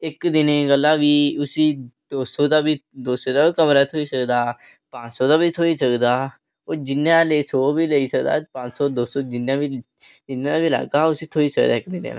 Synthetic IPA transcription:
ɪkd̪ɪneɡəlːaːʋiːʊsiːd̪̥oːsoːd̪aːbiːd̪oːsod̪aːikəmɾaːt̪ʰoːiːsəkd̪aː | pãːt͡ʃsoːd̪aːbʱiːt̪ʰoːiːsəkd̪aː | oːd͡ʒɪnãːleːsoːbiːləiːsəkd̪a̰ːpãːt͡ʃsoːd̪oːsoːd͡ʒɪnãːbiː | d͡ʒɪnːãd̪aːbiːla̰ːkaːʊsiːt̪ʰoːiːsəkd̪aːɪkd̪ɪnḛːn̰ː

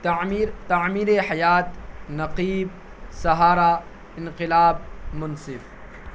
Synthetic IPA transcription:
ɾt̪amiːɾeħajaːt̪nɐqiːb̚ | sɐɦaːɾa | ɪnqɪlaːb̚mʊnsɪf

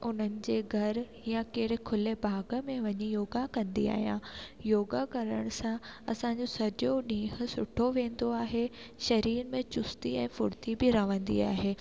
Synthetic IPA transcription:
ʔʊn̤ənɪ̆d͡ʑeːɡʱɐɾ | jãkeːɾɪkʰʊlebʱaːɡəmẽʋɐɲijoːɡakɐ̃nd̪ia̰ːɦijã̰joːɡakɐɾəɽ̃sãɐsãɲd͡ʑosɐd͡ʑoɗĩːɦʊ̆sʊʈʰoʋẽːnd̪oaːɦeʃɐɾiːɾmẽt͡ɕʊst̪iɛ̃ːfʊɽt̪ibɪɾɐʋə̃nd̪ḭaːɦeː

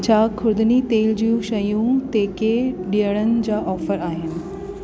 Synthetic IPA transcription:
t͡ɕʰaːkʰʊɾd̪ɪnit̪eːld͡ʑijũʃɐjũt̪eːkeɗijəɽ̃ənɪ̆d͡ʑaːʔɔːfəɾaːɦɪnɪ̆

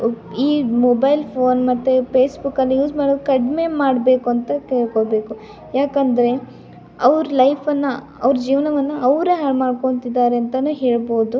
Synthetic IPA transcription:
iːmobɐjlpʰoːnmɐt̪ːupeːsbukːɐlːijuːd͡ʒmaːɽokɐɖme̞maːɽbe̞ːkuɐnt̪ɐkeːɭkoːbe̞ːku | jaːkɐnd̪ɐɾe̞ | ɐʋɾlɐjpʰɐnːɐ | ɐ̰ʋɾɐd͡ʒiːʋɐnɐʋɐnːɐɐʋɾeɦaːɖmaːɖko̞ɳt̪id̪ːaːɾeɐnt̪ɐnuːɦeːɭbo̞ːd̪u

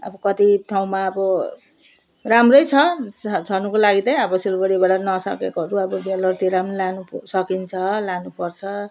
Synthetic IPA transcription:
ʌ̰bʌkʌt̪iʈʰaw̃maːbʌ | ramrʌjt͡sʰʌt͡sʰʌnukolaɡit̪ʌj̃ʌbʌsilbʌɽibaɽanʌsʌ̰kekoɦʌɾuʌbʌbelʌrt̪iɾamlanusʌkint͡sʰʌlanupʌrt͡sʰʌ

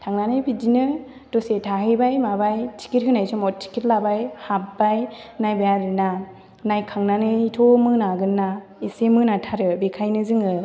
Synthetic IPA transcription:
tʰaŋnanɯjbʰidinɯ | d̥ɔsetʰaɦɯbajmabajtʰi̥kit̚ɦɯnajsʰɔmɔt̚tʰi̥kitlabajhapbajnajbajaɾɯna | najkʰaŋnanɯitʰomɯnaɡɯnːa | isemɯnatʰaɾɯbekʰajnɯzɯŋɯ

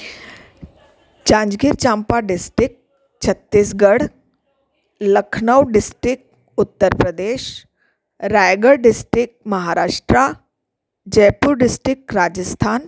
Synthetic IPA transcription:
t͡ʃãːɲd͡ʒɡiɾt͡ʃãːmpaɖɪsʈɾɪk̚ | t͡ʃʰɐt̪ːiːsɡəɽ | lɐkʰnəwɖɪsʈɾɪk̚ʈ | ʊt̪ːəɾpɾəd̪eːʃ | ɾajɡəɭɖɪsʈɾɪk̚ʈmɐɦaːɾaːʃʈɾa | d͡ʒɐjpuɾɖɪsʈɾɪk̚kɾaːd͡ʒəst̪ʰaːn

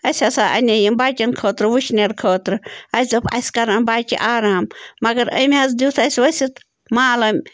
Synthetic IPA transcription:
ɐsʲɐsaːʔɐ̰nʲɐjimbaːt͡ʃʲɐnkʰoːt̪ɾɨʋuʃneɾkʰoːt̪ɾɨɐszɐpʰɐ̰sʲkɐɾɐnbaːkʲḭʔaːɾaːmːɐɡɐɾəmʲɐzd̪uːt̪ʰɐsʲʋɐsʲit̪ | maːlɐmʲ

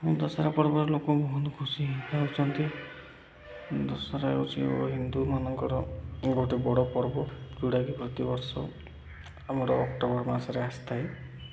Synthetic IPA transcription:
d̪ɔsaɾapɔɾbɔɾelokɔbɔɦunt̪ɔkʰusiaot͡ʃʰɔnt̪i | d̪ɔsaɾaḛkut͡ʃʰḭo̰ɦind̪umanɔŋkɔɾɔɡoʈebɔɽɔpɔɾbɔd͡ʒuɽaɡipɾɔt̪ibɔɾsɔ | amɔɾɔːkʈɔbɔɾmasaɾeast̪ʰae

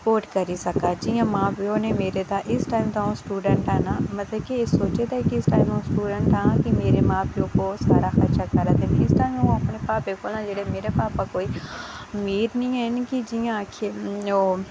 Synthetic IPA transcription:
spoːɾʈkɐɾisɐkad͡ʒijãmãːpionemeːɾet̪aʔɪsʈaːɪmt̪aõsʈuːɖə̃ɳʈaːnamɐt̪ləbkiesoːt͡ʃet̪ɛkiɪsʈaːɪmõsʈuːɖə̃ɳʈãnakimeːɾemãːpiõkoːsa̰ːɾaxɐɾt͡ʃakɐɾət̪ɛ̃nɪsʈaːɪmõɐpnepaːpekʰoːlnãd͡ʒeɽemeːɾepaːpakoːimiːɾnĩɛnkid͡ʒijãakʰeo

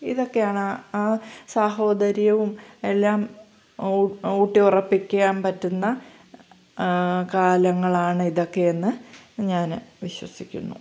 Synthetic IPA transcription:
iðo̞kːe̞jaːɳɨaːsaːɦo̞ːd̪ɐɾjɐʋume̞lːaːm | uːʈːiurɐpːikʲːuɣaːmpɐtːunːɐ | kaːlɐŋːɐɭaːɳɨiðo̞kːe̞enːɨɲaːnʋiɕwɐsikʲːṵnːṵ

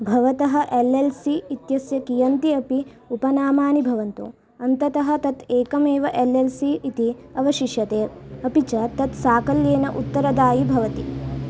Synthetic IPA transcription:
bʱɐʋɐt̪ɐɦɐ̆ʔelelsiːt̪jɐsjɐkijɐnt̪iɐpi | upɐnaːmaːnibʱɐʋɐnt̪u | ɐnt̪ɐt̪ɐɦɐ̆t̪ɐt̪eːkɐmeːʋɐʔelelsiit̪iɐʋɐʃiʃjɐt̪eːɐpit͡ʃɐt̪ɐt̪saːkɐljeːnɐʔut̪ːɐɾɐd̪aːjibʱɐʋɐt̪i

